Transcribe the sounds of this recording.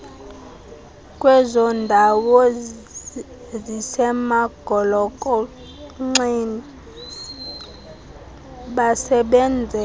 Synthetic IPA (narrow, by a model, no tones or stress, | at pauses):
kʼwɛzɔndʱawɔ | zisɛmaɡ̥ʱɔlɔkʼɔ | ŋ͡ǀini | ɓasɛɓɛnd͡zʱɛ